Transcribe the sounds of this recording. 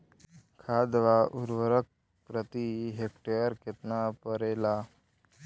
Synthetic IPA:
kʰaːd̪ʋaʔuɾʋəɾək̚ | pɾət̪iɦek̚ʈeəɾket̪napəɾela

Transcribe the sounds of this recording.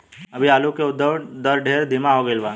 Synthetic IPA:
ɐbʱiaːlukeʊd̪ːəd̪əɾɖʱeːɾd̪ʱimaɦoɡəɪlʋaː

